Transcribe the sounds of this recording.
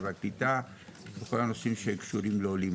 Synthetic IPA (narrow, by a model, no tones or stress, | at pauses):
veaklit̪a | beko̞lano̞simʃekʃuɾimleolim